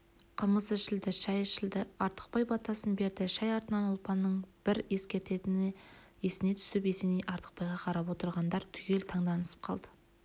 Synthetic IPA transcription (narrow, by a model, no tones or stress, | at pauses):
qʰəməzɪʃɪld̪ɪʃɑjʃɪld̪ɪɑɾt̪ə̥q̚pɑjbɑt̪ɑsənbe̞ɾd̪ɪʃɑjɑɾt̪ənɑnʊlˠpɑnːəɴb̥ɪɾe̞skʲe̞ɾt̪e̞t̪ɪn | e̞sɪne̞t̪ʰʏ̥sɪpe̞senejʔɑɾt̪ʰə̥q̚pɑjʁɑqʰɑɾɑpwo̞t̪əɾʁɑnd̪ɑɾt̪ʰʏ̥kʲe̞lt̪ʰɑɴd̪ɑnəsə̥p̚qʰɑ̰lˠd̪ə̥